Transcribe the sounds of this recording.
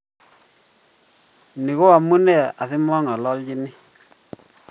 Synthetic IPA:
ni˨ko˦a˨mu˦nɛ˦˨a̰˨s̬i˦mwɔ˦ŋa˨lɔ˦lɟi˦ni˦

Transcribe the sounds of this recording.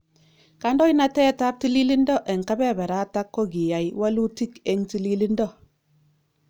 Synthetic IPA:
ka˦ndɔ˦i˦na˦tɛ˦ta˦p̚ti˦li˦li˦ndɔ˦ʔe˨ŋ˨ka˦bɛ˦˨bɛ˨ɾa˦ta˦kːo˦ɡi˨ja˨jwa˦lu˦ti˦ke˦ŋti˦li˦li˦ndɔ˦

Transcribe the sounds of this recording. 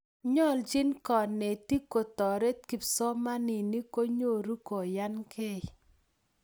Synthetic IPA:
ɲɔ˦˨ld͡ʒɪ˦nkɔ˨ne˨ti˦ko˨tɔ˨ɾe˦t̚ki˨psɔ˦ma˦nɪ˨ni˦ko˦ɲo˦˨ɾu˦ko˨ja˦nkʰe˦˨j

